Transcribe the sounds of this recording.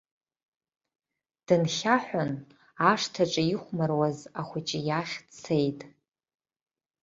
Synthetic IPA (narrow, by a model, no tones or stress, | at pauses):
d̥ɨnχʲaħʷᶣʊn | aʂtʰaʈ͡ʂʼaiχʷmarwazaχʷʊt͡ʃʼijaχʲt͡sʰejtʼ